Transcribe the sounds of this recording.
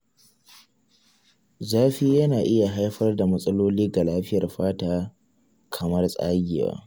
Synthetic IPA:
zaː˦ɸi˦jɐ˦naː˨ʔɪ˦ja˨ɦa˦jɸɐ˦rda˨mɐ˦sʼɐ˦loː˦liː˦ɡa˨laː˦ɸɪ˦jɐ˨rɸaː˦taː˦ | kʰɐ˨mɐ˦rsʼa̰ː˦ɡʲɪ̰˨wa̰ː˦

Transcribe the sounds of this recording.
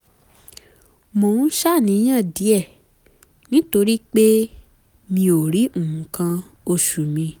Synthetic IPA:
mõ˨ũ˦ʃa˦˨nĩ˨˦j̃ã˦˨di˨˦ɛ˦˨ | nĩ˦to˧ɾi˦k͡pe˦ | mĩ˧o˨ɾi˨˦ũ˦˨hũ˨˦kã˧ | o˧ʃu˨mĩ˧

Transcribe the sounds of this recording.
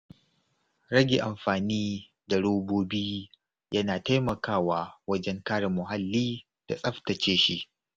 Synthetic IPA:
ɽɐ˦ɡʲeː˨ʔa˨mɸaː˨niː˦ | da˨ɽoː˦boː˦biː˦ | jʔɐ˦naː˨ta˦jmɐ˨kʰaː˦˨waː˦wɐ˦d͡ʒɛ˦ŋkaː˦ɽa˨mʊ˨ɦa˦lːiː˦ | d̥a̰˨sʼɐ˦ɸtɐ˨t͡ʃeː˦ʃi˦ʔ

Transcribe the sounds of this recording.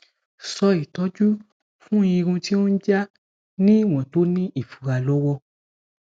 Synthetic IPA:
sɔ˧i˨tɔ˨˦d͡ʒu˦ | fũ˦i˧ɾũ˧ti˦õ˦n̩˦d͡ʒa˦ | nĩ˦˨w̃ɔ̃˨to˨˦nĩ˦i˦˨fu˨ɾa˧lɔ˦wɔ˧

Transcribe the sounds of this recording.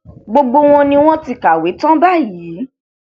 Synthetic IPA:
ɡ͡bo˧ɡ͡bo˧w̃ɔ̃˧nĩ˧w̃ɔ̃˦ti˧˨ka˨we˨˦tã˦ba˦˨ji˨˦

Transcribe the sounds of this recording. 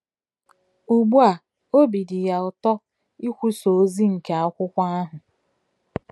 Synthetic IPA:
u˨ɡ͡bu˦a˨ | o˦bi˨di˨ja˨ʊ˨tɔ˦ | i˦kʷu˦so˨˦zi˦ŋ̩˨ke˨a˦kʷʊ˦kʷa˦a˦ɦʊ˨

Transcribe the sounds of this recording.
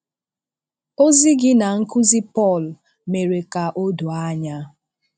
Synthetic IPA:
o˦zɪ˦ɡɪ˦na˨ŋ̩˦kʊ˦zɪ˦pɔ˦˨l | me˨ɾe˨ka˨ʔo˦du˨a˦ɲa˦

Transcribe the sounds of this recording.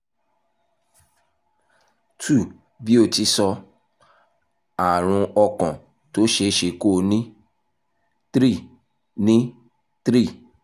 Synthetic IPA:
tu˦˨ | bi˦o˦˨ti˧˦sɔ˧ | a˨ɾ̃ũ˧ɔ˧kɔ̃˨ | to˦ʃe˧˦ʃe˧ko˦˨˧nĩ˦ | tɾi˦˨ | nĩ˦ | tɾi˦˨

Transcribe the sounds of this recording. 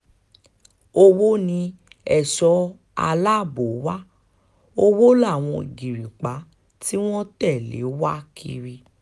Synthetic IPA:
o˧wo˦nĩ˧ | ɛ˦˨sɔ˧˦ | a̰˧la˦˨bo˨˦wa˦ | o˦wo˦la˦˨w̃ɔ̃˧i˨ɡi˨ɾi˨k͡pa˨˦ | ti˦w̃ɔ̃˦tɛ˦˨lḛ˨˦wa˦kʰḭ˧ɾi˧

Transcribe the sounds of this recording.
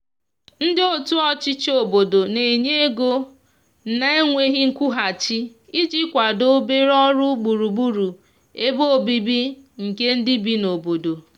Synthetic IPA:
n̩˦dɪ˦o˦tu˦ɔ˦t͡ʃɪ˦t͡ʃo˨bo˨do˨ne˨ɲe˦e˦ɡo˦ | na˦e˦ŋʷe˦ɣɪ˦ŋ̩˦kʷu˦ɦa˨t͡ʃi˦ | i˦d͡ʒi˦kʷa˨do˦be˦ɾɔ˦ɾʊ˦ɡ͡bu˨ɾu˨ɡ͡bu˦ɾu˨ | e˦bo˦˨bi˦bi˦ŋ̩˨ke˦n̩˦dɪ˦bi˦no˨bo˨do˨

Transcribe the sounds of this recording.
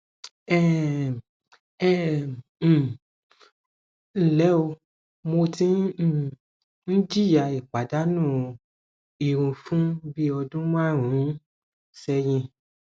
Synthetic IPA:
ɛ˦˨ | ɛ˦˨ | n̩˦˨lɛ˨˦o˧ | mo˧tĩ˦˨ | n̩˦d͡ʒi˦˨ja˨i˨k͡pa˨da˨˦nũː˦˨ | i˨ɾũ˨fũ˦bi˦ɔ˧dũ˦mã˦˨ɾ̃ũ˨˦ | sɛ˧jĩ˧

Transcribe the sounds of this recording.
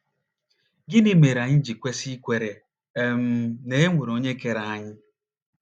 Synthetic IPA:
ɡɪ˦ni˦me˨ɾa˨ɲɪ˦d͡ʒi˨kʷe˦si˦kʷe˨ɾe˨˦ | m̩˦ne˦e˦ŋʷu˨ɾo˨ɲe˦ke˨ɾa˨a˦ɲɪ˦

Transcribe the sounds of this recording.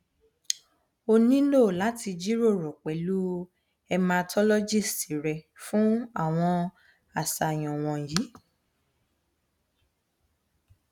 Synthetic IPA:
o˧nĩ˦lo˦˨la˨˦ti˧d͡ʒi˦ɾo˦˨ɾɔ˨k͡pɛ˨lu˦ | ɛ˧mã˧tʰɔ˦lɔ˦d͡ʒi˦˨sti˨ɾɛ˨fũ˦a˦˨w̃ɔ̃˧ | a˨sa˨j̃ɔ̃˨w̃ɔ̃˨ji˨˦

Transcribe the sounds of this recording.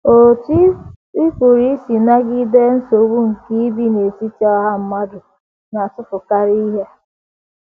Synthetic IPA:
o˨ti˦ | i˦ku˨ɾi˦si˨na˦ɡi˦de˦n̩˦so˨wu˦ŋ̩˨ki˦bi˦ne˨si˦tɔ˦ɦa˦m̩˦ma˦dʊ˨ | na˨tʊ˦pʊ˨ka˦ɾi˦i˦ɦe˦

